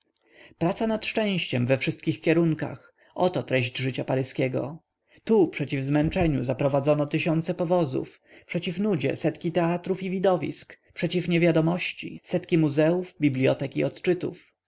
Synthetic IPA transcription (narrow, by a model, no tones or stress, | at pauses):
pɾat̪sanat̪ʂt͡ʂɛ̃w̃ɕt͡ɕɛmvɛfʂɘst̪̚kʲixkʲɛɾuŋka̰x | ɔt̪ɔt̪ɾɛʑd͡ʑʐɘt͡ɕapaɾɘskʲɛɡɔ̰ | t̪upʂɛt͡ɕivzmɛnt͡ʂɛɲṵzapɾɔvad̪zɔnɔt̪ɘɕɔnt̪sɛpɔvɔzṵf | pʂɛt͡ɕifnud͡ʑɛ̰sɛt̪kʲit̪ɛat̪ɾufivʲid̪ɔvʲḭskpʂɛt͡ɕifɲevʲjad̪ɔmɔɕt͡ɕḭsɛt̪kʲimuzɛuvbʲiblʲijɔt̪ɛkḭɔt̪t͡ʂɘt̪ṵf